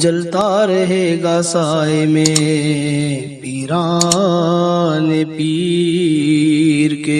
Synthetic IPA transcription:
d͡ʒɐlt̪aɾɐɦeːɡasaemẽ | piɾa | nepi | ɾke

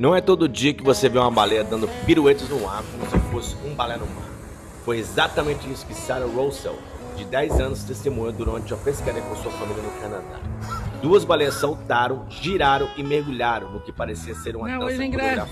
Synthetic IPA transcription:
nɐ̃w̃ɛt̪od̪ʊʊd͡ʒiɐkɪvoseviwũmɐbalejɐd̪ɐ̃nd̪ʊpiɾuet͡ʃɪznʊakseposɪ̥ũbalɛɐnʊma̰ɾ | fojezat̪ɐmẽnt͡ʃɪisʊkɪsaɾɐɾowsɛ̰w | d͡ʒɪd̪ɛjzɐ̃nʊst̪est̪emũɲʊd̪uɾɐ̃t͡ʃɪũmɐpeskaɾiɐkõsuɐfamiʎʲɐnʊkɐnad̪a̰d̪uɐzbalejɐsːawt̪aɾɐ̃w̃ʒiɾaɾɐ̃w̃ɪmeɾɡuʎaɾɐ̃w̃nʊkɪpaɾesiɐseɾũmɐt̪ãkoɡɾaf

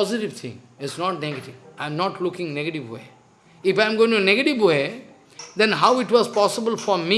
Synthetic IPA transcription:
pɔzɪʈiʋt̪ʰɪ̰̃ŋɪsnɔʈ̚neɡəʈiʋãɪ̃mnɔʈlʊkɪ̃ŋneɡəʈiʋwḛ | ɪfãɪ̃mɡoɪ̃ŋʈneɡəʈiʋwe | d̪ɛ̃nɦaʊɪʈwɔzpɔsɪbəlfɔɾmi

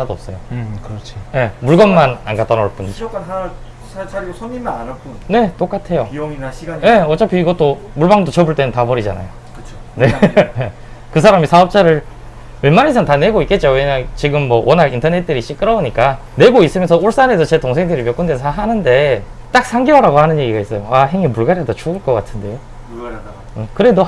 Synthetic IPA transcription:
adoʌp̚s͈ʌjokɯɾʌt͡ɕʰije̞muɭɡʌmːana̰nɡat͈ʌnʌɭp͈und͡ʑa | sʰʌmimanak͈une̞t͈ok͈atʰe̞joiiaiɡaje̞ʌt͡ɕ͈apʰjiiɡʌt͈o | muɭbaŋdot͡ɕʌbuɭt͈e̞nɯntabʌɾid͡ʑa̰na̰jo | kɯ̥t͡ɕʰone̞ | kɯs̬ʰaɾamisʰaʌp̚t͡ɕ͈aɾɯɭ | wenmːanis̬ʰʌntane̞ɡoik͈e̞t̚t͡ɕ͈ojoweɲaŋt͡ɕiɡɯmːʌwʌnaɾintʰʌne̞t̚t͈ɯɾiɕ͈ik͈ɯɾʌuɲik͈a | ne̞ɡois͈ɯmjʌnsʰʌoɭs͈anesʰʌt͡ɕetoŋsʰeŋdɯɾimjʌk͈undensʰaɦanɯnde̞ | t͈ak̚s͈ʰaŋɡiʌɾaɡohanɯnje̞ɡiɡais͈ʌjoaɦe̞ŋimuɭɡaɾjɦadat͡ɕuɡɯɭk͈ʌk͈atʰɯnde̞jo | ɯkɯɾe̞do

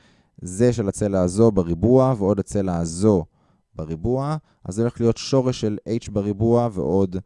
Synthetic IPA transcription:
ze̞ʃelat͡selaːzo̞beʁibuaveo̞dlat͡selaːzo̞ | beʁibua | ʔa̰zo̞le̞χlijo̞tʃo̞ʁeʃːelejt͡ʃbeʁibuavḛʔo̞d̪

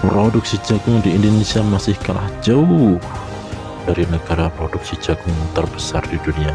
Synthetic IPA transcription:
pɾodʊk̚sid͡ʒaɡʊŋdiːndonesiamasɪhkalahd͡ʒaʊh | d̥aɾinəɡaɾapɾɔdʊk̚sid͡ʒaɡʊŋt̪ərbəsa̰rdidunia

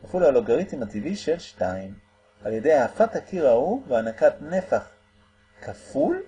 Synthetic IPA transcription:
kafiluhaloɡaʁitimativiʃelʃtaim | alje̞de̞jaːfathakiʁauveanakatne̞faχ | kʰaful

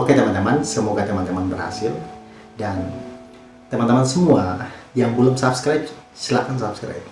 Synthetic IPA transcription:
oket̪əmant̪əmansəmuɡat̪əmant̪əmanbərha̰sɪl | dan | t̪əmant̪əmansəmuajaŋbəlʊmsap̚skɾajp̚ | silakans̬ap̚skɾa̰jp̚

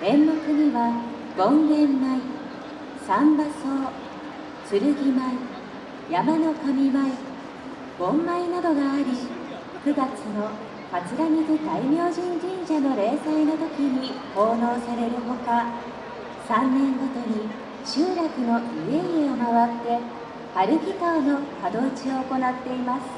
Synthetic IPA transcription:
ẽ̞mːokɯ̟ɲiβa | ɡõ̞ŋɡẽ̞mːai | sãmbaso̞ː | sɨɾɯ̟ɡʲimai | jamano̞kamʲimai | b̥õ̞mːainad̪o̞ɡaːɾʲi | kɯ̟ɡat͡sɨno̞ | mat͡sɨɾamʲik̪id̪aimʲjo̞ːʑĩɲd͡ʑĩɲd͡ʑano̞ɾe̞ːsaino̞t̪o̞kʲiɲ̟iho̞ːno̞ːsaɾe̞ɾɯ̟ɦo̞ka | sãnːẽ̞ŋɡo̞t̪o̞ɲ̟i | ɕɨːɾakɯ̟no̞ieiomaβat̪ːe̞ | paɾɯ̟kʲikano̞kad̪o̞ːt͡ɕio̞ːko̞nat̪ːe̞imasɨ̥

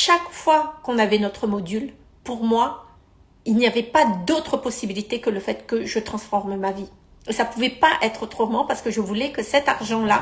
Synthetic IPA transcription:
ʃakfwakɔ̃navɛnɔt̪χəmɔd̪yl | puʁmwa | ilniavɛpad̪ot̪χəpɔsibilit̪ekələfɛt̪kəʒət̪χɑ̃sfɔʁmmavi | esapuvɛpaʔɛt̪χot̪χəmɑ̃paʁsə̥kəʒəvulɛkəsɛt̪aʁʒɑ̃la

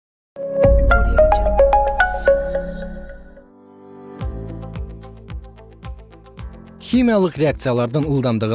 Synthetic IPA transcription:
xʲimijɑlˠəqrʲeak̚t̪sɨjalˠɑɾd̪əŋulˠd̪ɑnd̪əʁə

